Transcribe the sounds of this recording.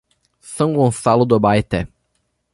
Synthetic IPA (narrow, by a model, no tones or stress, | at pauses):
sɐ̃w̃ɡõsalʊd̪obajt̪ɛ